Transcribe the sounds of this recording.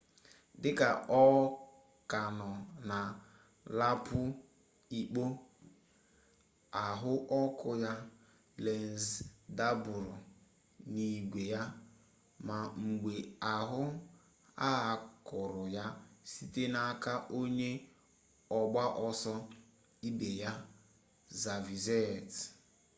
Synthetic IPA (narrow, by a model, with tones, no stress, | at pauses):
dɪ˦ka˨ɔ˦ | ka˨nɔ˨na˨ | la˦pʊ˦ | i˨k͡po˦ | a˨ɦʊ˦ʔɔ˦kʊ˦ja˦ | le˨n˨zda˦bʊ˨ɾʊ˨ | ni˨ɡʷe˨ja˦ | ma˨ŋ͡m̩˨ɡ͡be˨a˨ɦʊ˦ | a˦˨kʊ˨ɾʊ˨ja˦si˦te˦na˦ka˦ʔo˦ɲe˦ | ɔ˨ɡ͡ba˦ʔɔ˦sɔ˦ | i˦be˨ja˦ | za˨vi˨ze˦˨t